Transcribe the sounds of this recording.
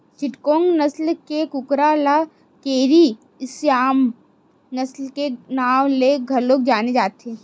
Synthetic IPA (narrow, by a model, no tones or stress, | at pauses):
t͡ʃɪʈkõːŋɡnɐslkekʊkɾala | keːɾi | ɪsjaːm | nɐslkenaːwleɡʱɐɾloːɡ̚d͡ʒaːned͡ʒaːt̪eː